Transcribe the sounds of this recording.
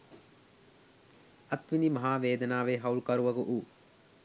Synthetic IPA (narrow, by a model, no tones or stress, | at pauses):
ɐt̪ʋinimɐɦaːʋeːd̪ɐnaːʋeːɦɐwlkɐɾuʋɐɡuʔu